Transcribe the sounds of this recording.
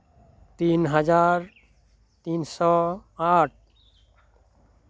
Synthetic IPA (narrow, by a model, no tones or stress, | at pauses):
t̪inɦad͡ʒaɾ | t̪insɔaʈ̚ʰ